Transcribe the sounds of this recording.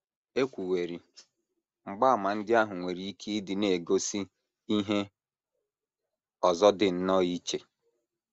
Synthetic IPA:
e˦kʷu˨we˨ɾi˨ | ŋ͡m̩˨ɡ͡ba˦a˨ma˨n̩˦dɪ˦a˦ɦʊ˨ŋʷe˨ɾi˨˦i˦ki˦dɪ˨ne˨ɡo˦si˦ | i˦ɦe˦ | ɔ˨zɔ˦dɪ˨n̩˦nɔ˦i˦t͡ʃe˨

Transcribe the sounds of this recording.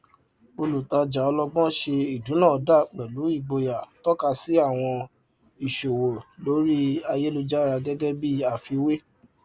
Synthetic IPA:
o˧lu˨ta˧d͡ʒa˨ɔ˧lɔ˧bɔ̃˦ʃe˧i˨du˨˦nã˦˨˦da˦˨k͡pɛ˨lu˨˦i˦˨ɡ͡bo˧ja˨tɔ˦ka˧si˨˦a˦˨w̃ɔ̃˧ | i˨ʃo˨wo˨lo˨˦ɾi˦a˧je˦lo˧d͡ʒa˦ɾa˧ɡɛ˦ɡɛ˦bi˦a˦˨fi˧we˦

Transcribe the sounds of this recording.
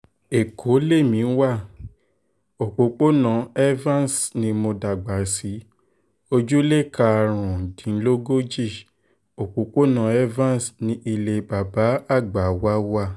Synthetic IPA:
e˨kʰo˨˦le˦˨mĩ˨˦wa˦˨ | o˨k͡po˨k͡po˦nã˧ɛ˦vã˦n˨snĩ˧mo˧da˨ɡ͡ba˨si˨˦ | o˧d͡ʒu˦le˦˨ka˧ɾ̃ũ˨dĩ˨˦n̩˦lo˦ɡo˦d͡ʒi˦˨ | o˨k͡po˨k͡po˦nã˧˦ɛ˦vã˦˨n˨snĩ˧˦ʔi˧le˧ba˨ba˨˦a˦˨ɡ͡ba˨wa˦wa˦˨

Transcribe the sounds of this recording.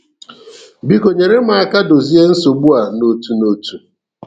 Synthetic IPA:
bi˦ko˨ɲe˨ɾe˦m̩˦a˦ka˦do˨zi˦e˦n̩˦so˨ɡ͡bu˦a˨no˦tu˦no˦tu˦

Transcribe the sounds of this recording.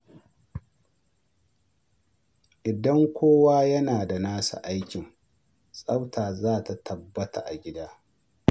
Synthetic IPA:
ʔɪ˨dɐ˦ŋkʷoː˦waː˦jɐ˦naː˨da˨naː˦sa̰˨ʔa˦jkʲɪ˨ŋ | sʼa˦wtʰaː˨zaː˦˨ta˨tʰɐ˨bːɐ˦ta̰˨ʔa˨ɡʲɪ˦daː˦

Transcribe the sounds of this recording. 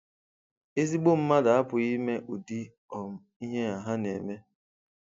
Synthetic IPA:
e˦zi˦ɡ͡bo˦m̩˦ma˦da˨a˦pʊ˨i˦me˦ʔu˨di˦ | ɔ˨m̩˦i˦ɦe˦a˨ɦa˦nḛ˨me˦

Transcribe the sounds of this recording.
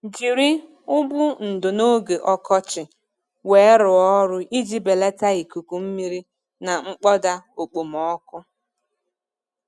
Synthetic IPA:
d͡ʒi˨ɾi˦ | ʊ˦bʊ˦n̩˨dʊ˨no˦ɡe˨ʔɔ˦kɔ˦t͡ʃɪ˨ | we˨˦ɾʊ˨ɔ˦ɾʊ˦ʔi˦d͡ʒi˦be˨le˦ta˦i˨ku˨ku˨m̩˦mi˦ɾi˦ | na˨ŋ͡m̩˦k͡pɔ˦da˦o˨k͡po˨m̩˨ɔ˦kʊ˦

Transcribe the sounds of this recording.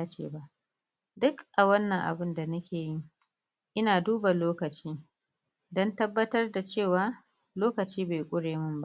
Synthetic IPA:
a˦t͡ʃḛː˨ba˦ʔ | dʊ˦kʔa˨wɐ˦nːɐ˨ŋʔa̰˨bɪ˦nda˨nɐ˦kʲʰeː˨ji˦ŋ | ʔɪ˦naː˨duː˦ba˨loː˦kɐ˨t͡ʃiː˦ | dɔ˦ntɐ˦bːɐ˦tɐ˦rda˨t͡ʃeː˦˨waː˦ | loː˦kɐ˨t͡ʃiː˦be˨jkʷʼʊ˦ɽeː˨mʊ˦mba˦ʔ

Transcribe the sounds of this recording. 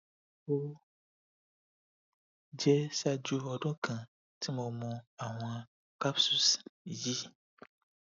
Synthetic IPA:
wo˦ | d͡ʒɛ˦sa˦d͡ʒu˦ɦɔ˨ɖɔ̃˦kʰã˨ | tʰi˦mɔ̃˨mɔ̃˨a˨wɔ̃˨a˨ | ka˦psu˨sji˦

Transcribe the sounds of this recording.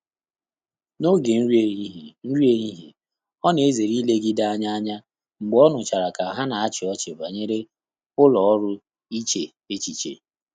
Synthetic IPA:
no˦ɡe˨n̩˦ɾi˦e˨˦ɦn̩˦ɾi˦e˦ɲi˦ɦi˨ | ɔ˦ne˨e˦ze˨ɾi˦le˦ɡi˦da˦a˦ɲa˦a˦ɲa˦ | ŋ͡m̩˨ɡ͡bɔ˦nʊ˨t͡ʃa˨ɾa˨ka˨a˨ɦa˦na˨a˦t͡ʃɪ˨ɔ˦t͡ʃe˨ba˨ɲe˦ɾe˦ | ʊ˦lɔ˨ɔ˦ɾʊ˦ | i˦t͡ʃe˨ | e˦t͡ʃi˨t͡ʃḛ˨

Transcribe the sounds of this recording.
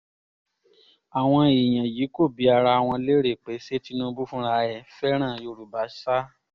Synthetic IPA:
a˨w̃ɔ̃˧i˨j̃ã˨ji˨˦ko˦˨bi˨˦a˧ɾa˧a˨w̃ɔ̃˧le˦ɾe˦˨k͡pe˨˦se˦ti˦nũ˧˦bu˦fũ˦ɾa˧ɛ˨fɛ˦ɾ̃ã˦˨jo˧ɾu˨ba˨˦ʃa˦

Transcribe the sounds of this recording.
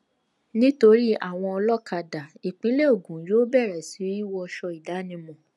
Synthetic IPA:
nĩ˦to˧ɾi˦a̰˦˨w̃ɔ̃˧ɔ˧lɔ˦kʰa˧da˨i˨k͡pĩ˨˦le˦o˦˨ɡũ˨˦jo˦bɛ˦˨ɾɛ˨si˨˦i˦wɔ˧ɔ˧ʃɔ˧i˨da˨˦nĩ˧mɔ̃˨

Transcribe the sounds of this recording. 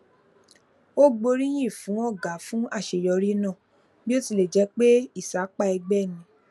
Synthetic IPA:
o˦ɡ͡bo˧ɾĩ˦j̃ĩ˦˨fũ˨˦ɔ˦˨ɡa˨˦fũ˦a˦˨ʃe˨jɔ˧ɾi˦nã˦˨ | bi˦o˦ti˧le˨d͡ʒɛ˨˧˦k͡pe˦i˦˨sa˨˦k͡pa˦ɛ˧ɡ͡bɛ˦˨nĩ˧˦

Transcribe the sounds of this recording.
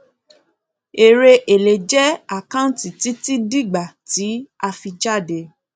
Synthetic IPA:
e˨ɾe˧ʔe˨le˨d͡ʒɛ˦a˦˨kã˦ũ˦ti˨ti˨˦ti˦di˦ɡ͡ba˨ti˨˦a˧fi˧d͡ʒa˦˨de˧

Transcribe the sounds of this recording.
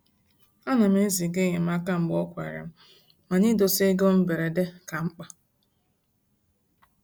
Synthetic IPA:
a˦na˨m̩˦e˦zi˨ɡe˦ɲe˨m̩˦a˦ka˦m̩˨ɡ͡bɔ˦kʷa̰˨ɾḛ˨m̩˦ | ma˨ni˦do˨se˦ɡo˦m̩˦be˨ɾe˨de˦ka˨ŋ͡m̩˦k͡pa˨

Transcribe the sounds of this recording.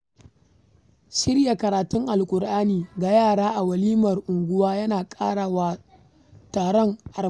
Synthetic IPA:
ʃɪ˦ɾja˨kɐ˨ɾaː˨tʊ˦ŋʔa˨lkʷʼʊ˨ɾʔaː˦niː˨ɡa˨jaː˦˨ɽaː˦ʔa˨wɐ˨liː˦mɐ˨rʔʊ˨ŋɡʷʊ˦waː˦jɐ˦naː˨kʼaː˦ɽaː˨waː˦ | taː˨ɽɔ˦ŋʔa˨

